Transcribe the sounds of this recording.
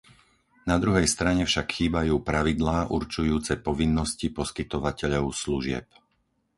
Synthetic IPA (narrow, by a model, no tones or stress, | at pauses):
nad̪ɾuɦɛjst̪ɾaɲɛfʃakxiːbajuːpɾaʋid̪laːʔuɾt͡ʃujuːt͡sɛpɔʋinːɔscipɔskit̪ɔʋacɛʎɔʊsluʒɪɛ̰p̚